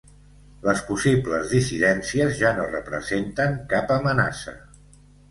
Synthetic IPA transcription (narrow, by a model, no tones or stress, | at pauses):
ləspusibləzðisiðɛnsiəzʒanorəpɾə̰zent̪əŋkapəməna̰sə̰